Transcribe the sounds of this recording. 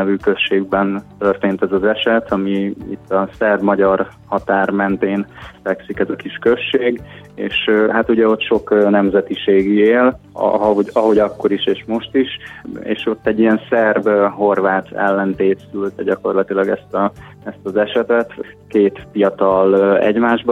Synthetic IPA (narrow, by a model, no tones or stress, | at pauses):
nɛvyːkø̞ʃːeːɡ̚bɛnt̪ø̞rt̪eːnt̪ɛzɒzɛʃɛt̪ʰɒmiḭt̪ːɒsɛrbmɒɟɒrhɒt̪aːrmɛnt̪eːnfɛksikɛzɒkiʃkø̞ʃːeːɡḛːʃɦat̪uɟɛo̞t̪ʃo̞knɛmzɛt̪iʃeːɡieːl̰ɦɒoɟɒɦo̞ɟɒkːo̞ɾiʃeːʃmo̞ʃt̪iʃḛːʃo̞t̪ːɛɟːiɛnsɛrbɦo̞rvaːt̪ɛ̰lːɛnt̪eːt̪sylt̪ɛɟɒko̞rlɒt̪ilɒɡɛst̪ɒ | ɛst̪ɒzɛʃɛt̪ɛt̪keːt̪fijɒt̪ɒlɛ̰ɟmaːʒb